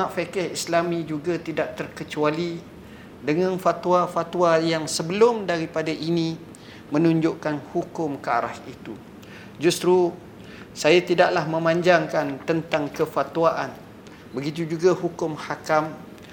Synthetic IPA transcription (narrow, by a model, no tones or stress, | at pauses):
ãʔfekɛhislamĩd͡ʒuɡat̪idaʔ̚t̪ərkət͡ʃuali | dəŋãnfat̪uafat̪uajaŋsəbəlʊmdaɾipadaʔinĩ | mə̃nũɲd͡ʒʊʔkanhukʊmkəa̰ɾa̰hit̪u | d͡ʒust̪ɾu | sajat̪idaʔlahmə̃mãɲd͡ʒaŋkant̪ənt̪aŋkəfat̪uaʔan | bəɡit̪ud͡ʒuɡahukʊmhakam